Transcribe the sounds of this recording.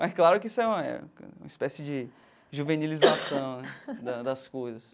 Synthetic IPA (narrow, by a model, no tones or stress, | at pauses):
mɛsklaɾʊkɪisʊɛ̃ɛ̰̃mɐispɛsɪd͡ʒɪ | ʒuvenilizasɐ̃w̃d̪ɐd̪ɐskojzɐs